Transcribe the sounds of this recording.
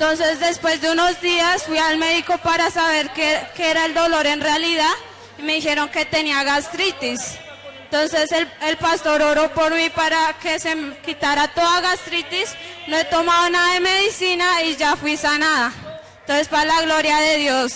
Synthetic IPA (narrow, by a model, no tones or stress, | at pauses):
ent̪o̞nse̞zd̪e̞spwe̞zd̪euno̞zd̪iasfwialme̞ðiko̞paɾasaβeɾkekeeɾae̞ld̪o̞lo̞ɾe̞nrealiðað | ime̞ðixe̞ɾo̞ŋke̞t̪e̞niaɣast̪ɾit̪is | ent̪o̞nse̞selelpast̪o̞ɾo̞ɾopo̞ɾmipaɾake̞se̞kit̪aɾat̪o̞ðaɣast̪ɾit̪isnoe̞t̪o̞maðonaðaeme̞ðisinaiʝafwisanaða | t̪onsespalaɣlo̞ɾjaðe̞ðjos